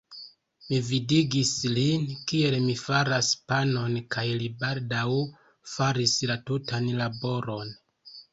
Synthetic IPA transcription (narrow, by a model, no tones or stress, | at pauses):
mividiɡislinkie̞lmifaɾaspano̞nkajlibaldaw | faɾislatutanlabo̞ɾo̞n